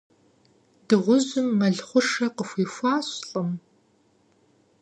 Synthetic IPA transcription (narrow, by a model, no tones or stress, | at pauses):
d̥ɨʁʷʊʑʊmːɐɮχʷʊʂɐqəxʷiːxʷɑːɕɬʼɨm